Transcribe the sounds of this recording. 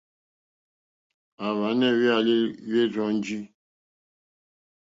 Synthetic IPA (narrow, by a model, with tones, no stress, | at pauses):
a˨βa˨˦nɛ˦˨we˦a˨li˦ɥe˦ɾɔ̃˦n̩˦d͡ʒi˦